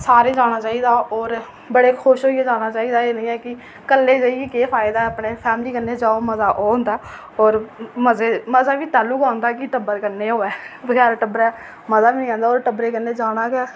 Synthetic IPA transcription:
saːɾeːd͡ʒaːɽ̃aːt͡ʃaːiːd̪aːɔːɾ | bəɽeːkʰʊʃɦoːieːd͡ʒaːɽ̃aːt͡ʃaːiːd̪aːeːnəĩːɛːkɪ | kəlːeːd͡ʒaːiɡeːkeːpʰaːɪd̪aːəpɽeːpʰɛːmliːkənːeːd͡ʒaːoːməzaːʔoːʊ̃nd̪aː | ɔːɾməzeːməzaːʋiːt̪aːluːkãːnd̪aːkɪʈəbəɾkənːeːɦoːɛːʋəɡɛːɾaʈəbəɾɛː | məzaːbiːnĩːãːnd̪aːoːɾʈəbɾeːkənːeːd͡ʒaːɽ̃aːkɛː

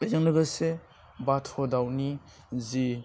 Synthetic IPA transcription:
ezɯŋnɯɡase | batʰɔdawni | zi

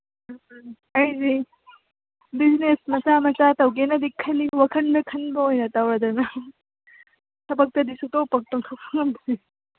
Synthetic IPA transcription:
ɐjzi | biznesmɐsamɐt͡ʃatɐwɡenɐd̪ikʰɐliwɐkʰɐndɐkʰɐnbɐojnɐtawɾɐd̪ɐnɐ | sʰɐbɐk̚tɐd̪isutowpɐk̚toŋtʰɐwpʰɐŋɐmsi

